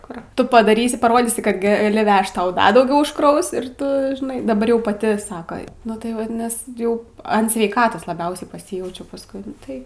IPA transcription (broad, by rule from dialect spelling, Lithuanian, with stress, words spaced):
kʊr ˈtʊ pɐdɐˈrʲiːsʲɪ pɐˈroːdʲiːsʲɪ kɐt ɡɐˈlʲɪ ˈʋʲɛʃt ˈtɐʊ ˈdɐ dɐʊˈɡʲɛʊ ʊʃkˈrɐʊs ɪr tʊ ˈʒnɐɪ dɐˈbɐr jɛʊ pɐˈtʲɪ ˈsɑːkoː nʊ tɐɪ ˈʋɐt ˈnʲɛs ˈjɛʊ ɐn sʲʋʲɛɪˈkɑːtoːs lˠɐˈbʲɛʊsʲɛɪ pɐˈsʲiːjɛʊt͡ʃʲɛʊ pɐsˈkʊɪ nʊ ˈtɐɪ